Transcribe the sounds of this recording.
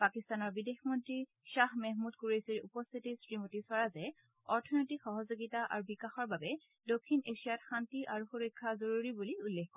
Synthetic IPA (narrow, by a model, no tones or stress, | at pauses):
pakistanɔɹbidexmɔntɹi | ʃahmɛɦmudkuɹejsiɹupɔst̪ʰitisɹimotisaɹazɛ | ɔɹtʰɔnotikxɔɦɔzoɡitaʔa̰ɹubikaxɔɹbabɛ | dokʰːineʃijatxantiʔaɹuxuɹɔjkʰːazoɹuɹibuliulːexkɔ